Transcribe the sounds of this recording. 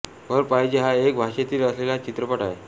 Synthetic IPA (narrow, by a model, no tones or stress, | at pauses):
ɡʱəɾpajd͡ʑeɦaek̚bʱaɕet̪iːləslelat͡ɕit̪ɾəpəʈae